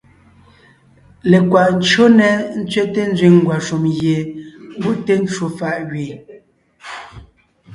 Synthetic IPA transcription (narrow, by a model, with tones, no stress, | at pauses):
le˨kwa˨ʔn̩˦t͡ʃo˦nɛ˨n̩˦t͡sɥɛ˦te˦n̩˦zɥi˦˨ŋ˦ɡwa˨ʃu˨mje˨bu˦˨ʔte˦n̩˦t͡ʃwo˨fa˨ʔɣɥeː˨